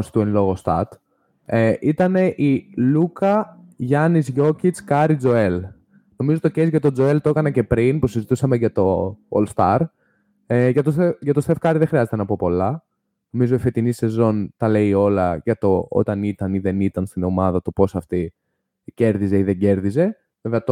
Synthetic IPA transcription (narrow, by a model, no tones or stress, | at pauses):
st̪uenlo̞ɣost̪ɐɾt̪ | eʔit̪ɐne̞ʔilukɐʝɐnizʝo̞cit͡skɐɾid͡zo̞e̞l | no̞mizot̪ocezʝɐt̪o̞d͡zo̞e̞lt̪oekɐnɐce̞pɾinpusizit̪usɐmeʝɐt̪o̞o̰lst̪ɐɾ | eʝɐt̪oseʝɐt̪osθe̞fkɐɾiðexɾiɐze̞t̪nɐpo̞po̞lɐ | no̞mizoife̞t̪inise̞zo̞nt̪ɐle̞io̞lɐʝɐt̪o̞o̰t̪ɐnit̪ɐniðe̞nit̪ɐnst̪ino̞mɐðɐt̪o̞po̞sɐft̪i | ce̞ɾðize̞iðe̞ɲɟe̞ɾðize̞ | veveɐt̪